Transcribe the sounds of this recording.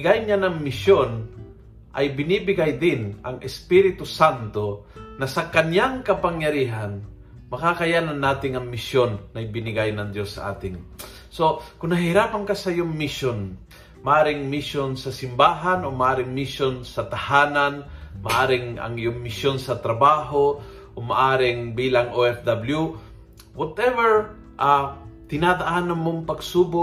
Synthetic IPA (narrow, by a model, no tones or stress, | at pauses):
ɡajɲanɐŋmɪʃjon | ʔajbɪniːbɪɡajd̪ɪnʔɐŋʔɛspiɾɪt̪ʊsant̪onɐsɐkɐɲaŋkɐpaŋjɐɾiːɦan | mɐkakajaːnanːaːt̪ɪŋɐŋmɪʃjonːɐjbɪnɪɡajnɐŋd̪josːa̰ʔa̰ːt̪ɪŋ | sokʊnhɐɦɪɾaːpaŋkasɐjʊŋmɪʃjon | mɐʔaːɾɪŋmɪʃjonsɐsɪmbaːɦanomɐʔaːɾɪŋmɪʃonsɐt̪ɐhaːnanmɐ̰ʔaːɾɪŋɐ̰ŋɪjʊŋmɪʃjonsɐt̪ɾɐbaːɦo | ʔomɐʔaːɾɪŋbiːlɐŋʔoʔɛfd̪ɐblju | wɐt̪ɛvɛɹ | ʔat̪ɪnad̪ɐʔanɐnmoŋpɐɡsuːbo